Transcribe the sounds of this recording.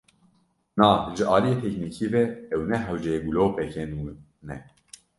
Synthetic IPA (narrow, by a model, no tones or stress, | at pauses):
naːʒɨʔɑːlijeːt̪ʰɛknikʰivɛɛwnɛɦæwd͡ʒɛɡuloːpɛkʰɛnu | nɛ̰